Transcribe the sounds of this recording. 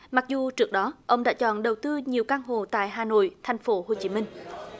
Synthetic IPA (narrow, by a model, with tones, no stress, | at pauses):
ma˨˩k̚zu˨˩t͡ɕɨ˦˥ək̚ɗɔ˨˦ʔə˧wŋ͡mɗa̰ː˧˥t͡ɕɔ̰˧˨nɗə˨˩wt̪ɨ˧ɲi˨˩əwkaː˧ŋɦo̰˧˨t̪a̰ː˧˨jɦaː˨˩no̰˧˨jt̪ʰa˨˩jŋ̟fo˨˦ɦo˧˩t͡ɕi˨˦mï˧ŋ̟